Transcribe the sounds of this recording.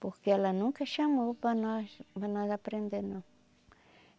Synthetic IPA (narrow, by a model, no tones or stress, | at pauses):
poɾkealanʊŋkaʃamobanabandapɾend̪eno